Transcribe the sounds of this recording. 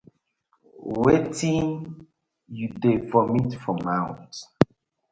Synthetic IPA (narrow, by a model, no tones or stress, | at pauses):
wetĩn | judefɔmĩtfɔmawt